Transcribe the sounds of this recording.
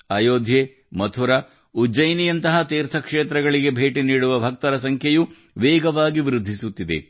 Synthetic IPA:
aːjoːd̪ʱje | mɐt̪ʰuɾɐ | ud͡ʒɐjnijɐnt̪ɐɦɐt̪iːɾt̪ʰɐkʂeːt̪ɾɐɡɐɭiɡe̞bʱeːʈiniːɽuʋɐbʱɐk̚t̪ɐɾɐs̬ɐŋkʰjɐju | ʋeːɡɐʋaːɡiʋiɾud̪ʱːisut̪ːid̪e̞̰

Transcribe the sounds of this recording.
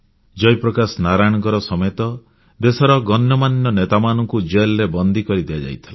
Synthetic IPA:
d͡ʒɔjpɾɔkasɔnaɾajɽ̃ɔkɔɾɔsɔmɔjet̪ɔ | d̪esɔɾɔɡɔnjɔmanjɔnet̪amanɔŋkud͡ʒelɾebɔnd̪ʱikɔɾid̪ijad͡ʒa̰jt̪ʰila

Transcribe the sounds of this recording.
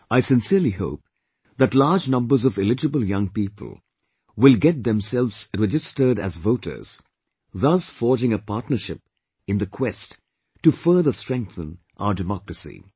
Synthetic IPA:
aɪsɪ̃nsiəɹliho̰ʊp̚ | ðætlaːd͡ʒnʌ̃mbə˞zɔvɪlɪd͡ʒəbəl̩ˠjʌ̃ŋpipʰə̰l̩ˠ | wɪlɡɛt̪̚d̪ɛ̃msɛlˠvz̥ɹɛd͡ʒɨstə˞ɾæ̰zvoʊtʰə̰˞z̥ | ðʌsfɔːɹd͡ʒɪ̃ŋəpaɾtnə˞ʃɪp | ɨ̃nd̪ɨkʰwɛst | tːufɜːðəstɹ̥ɛ̃ŋk̚θə̃n | ʔa̰ʊədɨmɔkɹəsḭ

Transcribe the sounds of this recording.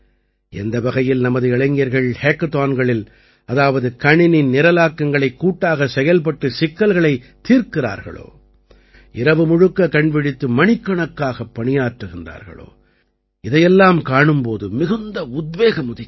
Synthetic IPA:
ɛ̰nd̪ɐʋɐɣɐjɪlnɐmɐðɯɪɭɐɪŋɡɪjɐɾɣɐɭheːkt̪aːnɡɐɭɪl | ɐðaːʋɐðɯkɐɳɪnɪnnɪɾɐlaːkːɐŋɡɐɭɐɪkːuːʈːaːɣɐsɛjɐlp̬ɐʈːɯsɪkːɐlɣɐɭɐɪt̪ːiːɾkɪra̰ːɾɣɐ̰ɭo̰ː | ɪɾɐʋɯmʊɻɯkːɐkɐɳpɪɽɪt̪ːɯmɐɳɪkːɐɳɐkːaːɣɐpːɐɳɪjaːʈrɯɣɪnd̪a̰ːɾɣɐ̰ɭo̰ː | ɪðɐjɛlːaːmkaːɳɯmpoːðɯmɪɣɯnd̪ɐʊd̪̚ʋeːɣɐmʊðɪ

